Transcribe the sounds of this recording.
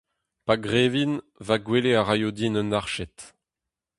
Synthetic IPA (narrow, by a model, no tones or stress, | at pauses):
paɡʁeːvin | vaɡweleaʁajod̪inənaʁʃɛt̪